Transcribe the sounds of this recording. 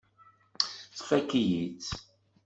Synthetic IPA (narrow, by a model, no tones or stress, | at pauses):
θfækːijit͡s